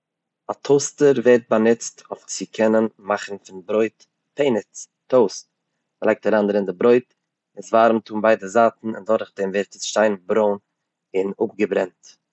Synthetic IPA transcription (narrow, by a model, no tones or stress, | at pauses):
atʰoʊstəɾveɪɾt̚banɪt͡stʰoʊft͡sɪkʰɛnənmaχn̩fɪnbɾoɪt | peɪnɪt͡s | toʊs | lˠaɪk̚taɾandəɾɪndɪbɾoɪt | ɪsvaːɾm̩tuːmbaɪdəzaːtn̩ɪ̰ndɔɾχdɛmveɾtəsʃtaɪnbɾoʊn | ɪnʊp̚ɡəbɾɛnt